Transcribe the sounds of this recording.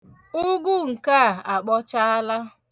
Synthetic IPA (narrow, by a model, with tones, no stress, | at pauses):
ʊ˦ɡu˦ŋ̩˨ka˦˨a˨k͡pɔ˦t͡ʃa˦a˦la˦